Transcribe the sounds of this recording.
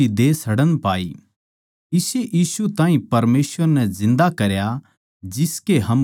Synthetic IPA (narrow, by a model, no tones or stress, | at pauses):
id̪eːsɐɽənpaːi | ɪseʔjiːsut̪ãːĩpɐɾmeːsʋəɾnɛ̃zɪ̃nd̪akɐɾja | d͡ʒɪskeɦɐm